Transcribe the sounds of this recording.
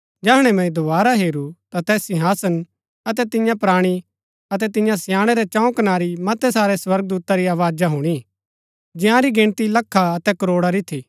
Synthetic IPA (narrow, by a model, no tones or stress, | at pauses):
d͡ʒɛɦɽ̃ɛmɛ̃ĩd̪oʋaːɾaɦeːɾut̪at̪ɛːsːɪ̃ɦaːsən | ɐt̪ɛt̪ɪjãpɾaːɽ̃i | ɐt̪̬ɛt̪ɪ̃jãsjaːɽ̃ɛɾɛt͡ʃãːũkɐnaːɾimɐt̪ɛsaːɾɛswɐɾɡ̚d̪uːt̪aɾiaːʋaːd͡ʒaɦuɽ̃i | d͡ʒɪ̃ɦãɾiɡɪ̃ɳ̃t̪ilɐkʰːaɐt̪ɛkɐɾoːɽaɾit̪ʰiː